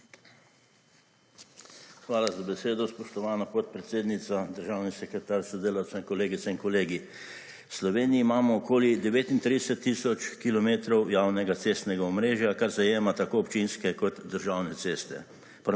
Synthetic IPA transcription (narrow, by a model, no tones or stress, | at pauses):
xʋaːlazabɛseːd̪ɔspɔʃt̪ɔʋaːnapɔt̪̚pɾɛt̪seːd̪nit̪sad̪əɾʒaːwnisɛkɾɛt̪aːɾsɔd̪eːlawt̪sɛinkɔleːɡit̪sɛinkɔleːɡi | wslɔʋeːniiːmaːmɔːkoːlid̪ɛʋeːt̪int̪ɾid̪ɛsɛt̪ːisɔt͡ʃkilɔmeːt̪ɾɔwjaːwnɛɡat̪seːst̪nɛɡaɔmɾeːʒjakaɾzajeːmat̪akoːɔpt͡ʃinskɛkɔt̪d̪əɾʒawnɛt̪eːst̪ɛ̰ | pɾ